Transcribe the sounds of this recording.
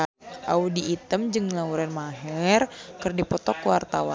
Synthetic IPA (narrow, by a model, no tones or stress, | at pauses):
ʔaudiːt̪əmd͡ʒɨŋlauɾanmaɦɛrkərdipɔt̪ɔkəwart̪awa̰